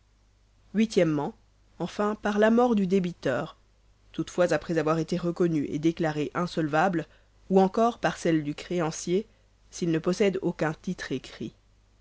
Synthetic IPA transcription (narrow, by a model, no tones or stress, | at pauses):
ɥit̪jɛmːɑ̃ | ɑ̃fɛ̃paʁlamɔʁd̪yd̪ebit̪œːʁ | t̪ut̪fwazapχɛzavwaʁet̪eʁəkɔnyʔḛd̪eklaʁeʔɛ̃sɔlvabl | uɑ̃kɔʁpaʁsɛld̪ykχeɑ̃sje | silnəpɔsɛd̪okʲɛ̃t̪it̪χekχḭ